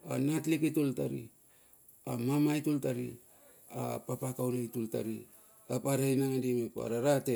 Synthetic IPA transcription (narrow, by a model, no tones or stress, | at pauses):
anatlikitultaɾḭ | amamajtultaɾḭ | a̰papakawnajtultaɾi | apaɾajnaŋadimepa̰ɾaɾate